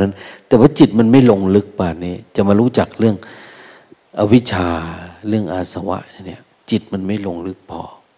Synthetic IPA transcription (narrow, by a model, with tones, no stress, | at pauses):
a˦˧˥nt̪ɛː˨˧˩waː˧˥t͡ɕi˨˩t̪̚ma˧˥˨nma˧˥˨jlo˧ŋlɯ˧˦˥k̚paː˧˩niː˧˩t͡ɕa˨˩maː˧ɾuː˧˥t͡ɕa˨˩k̚lɯ˥˩əŋ | ʔa˧wi˦˥t͡ɕʰaː˧lɯ˥˩əŋʔaː˧˩sa˧wa̰˧˥ʔa˧˩ni˧˩ə | t͡ɕi˨˩t̪̚ma˧˥nma˧˥˩jlo˧ŋlɯ˧˦˥k̚pʰɔː˧˩